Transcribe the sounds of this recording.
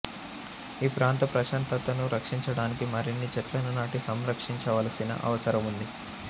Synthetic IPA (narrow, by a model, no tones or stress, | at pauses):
iːpɾaːnt̪ɐpɾɐʃaːnt̪ɐt̪ɐnuɾɐkʂiɲt͡ʃɐɽaːnikimɐɾinːit͡ʃɛʈlɐnɐnaːʈisɐmɾɐkʂiɲt͡ʃɐʋɐːlɐsinɐ̰ʔɐ̰ʋɐsɐɾɐmund̪i